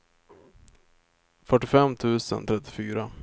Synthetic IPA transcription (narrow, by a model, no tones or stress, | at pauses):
fœʈːɪfɛmt̪ʰʉ̟ːsə̰nt̪ʰɾɛt̪ːɪ̥fyːɾa